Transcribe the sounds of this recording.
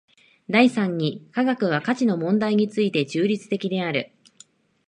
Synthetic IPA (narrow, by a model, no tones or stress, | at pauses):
d̪aisãɲ̟ːikaɡakɯ̟β̞akat͡ɕino̞mõ̞nd̪aiɲ̟it͡sɨit̪e̞t͡ɕɨːɾʲit͡sɨ̥t̪e̞kʲid̪e̞aɾɯ̟